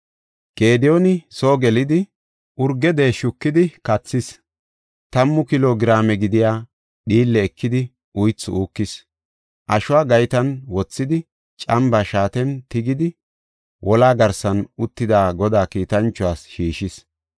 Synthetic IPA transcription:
ɡ̥e̞ːd̪ɪjonɪso̞ːɡɛlɪd̪ɪ | ʔʊɾɡːɛd̪e̞ːʃʊkːɪd̪ɪkɐt͡sːɪs | t̪ɐmːʊkɪloːɡɪɾaːmɛɡɪd̪ɪjaː | ɗiːlːɛːkːɪd̪ɪ | ʊjt͡sːʊuːkːɪs | ʔɐʃʊwaːɡɐjt̪ɐnwɔt͡sːɪd̪ɪ | t͡ʃʼɐmbaʃaːt̪ɛnt̪ɪɡɪd̪ɪ | wʔɔlaːɡɐɾsɐnʊt̪ːɪd̪aːɡɔd̪aːkiːt̪ɐnt͡ʃːɔaːsʃiːʃɪs

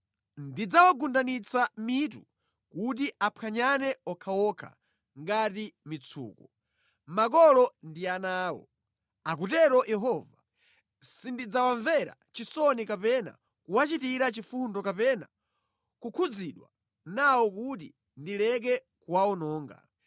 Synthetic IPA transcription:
ndid͡zawaɡundanit͡samitṵ | kut̬iʔapʰaɲanɛɔkʰawɔkʰa̰ | ŋɡatimit͡sʰṵːkɔ | makɔlɔndianaːwɔ̰ | ak̬utɛɾɔjɛɦɔva | sindid͡zawaɱvɛɾa̰t͡ʃisɔnikapɛna̰ | kuwat͡ʃitiɾat͡ʃifundɔkapɛna̰ | kukʰud͡ziɗwa̰ | nawɔkut̬i | ndilɛk̬ɛ | kuwaɔnɔːŋɡa̰

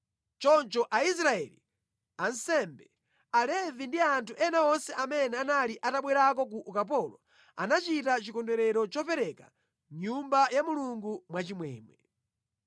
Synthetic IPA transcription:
t͡ʃɔnt͡ʃɔʔais̬ɾaɛ̰li | ansɛmbɛ | alɛvindiantʰuʔɛnaɔnsɛʔamɛnɛanaliʔataɓwɛɾak̬ɔk̬uʔukap̬ɔlɔ | a̰nat͡ʃitat͡ʃikɔndɛɾɛɾɔt͡ʃɔpɛɾɛka | ɲumbajamuluŋɡumwat͡ʃimwɛ̰ːmwɛ

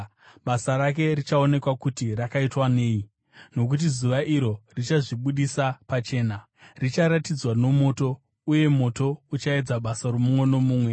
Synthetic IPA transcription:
ɓasaɾak̬e̞rit͡ʃao̞ne̞kwakutirakaitwane̞ːi | no̞k̬ut̬izuʋaʔiɾo̞rit͡ʃaʐiɓuɗisapat͡ʃe̞ːna | rit͡ʃaɾatid͡zwano̞mo̞ːto̞ | uje̞mo̞to̞ut͡ʃae̞d͡zaɓasaromumweno̞muːmwe̞

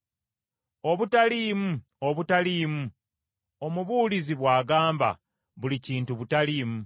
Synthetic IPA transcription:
o̞βutaliːmu | oβutaliːmu | o̞muβuːliziβwaːɡaːmba̰ | βuliciːntuβutalimu

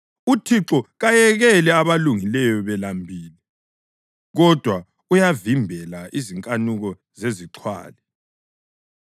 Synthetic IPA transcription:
utʰiǁɔɣajɛɣɛlɛaβaluŋilɛjɔβɛlambʱiːlɛ | ɣɔd̥ʱwa | ujavimbʱɛlaʔiziŋkʼanuɣɔ | zeziǃʰwa̰ːlɛ

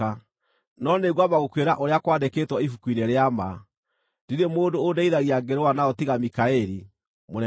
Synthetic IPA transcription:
a | nɔneɣwamaɣokweɾaʔoɾeakwadekeːtwɔifukwineɾeama | diɾemoːndoːdaiðaɣiaɡeɾoanaɔtiɣamikaɛɾi | mo

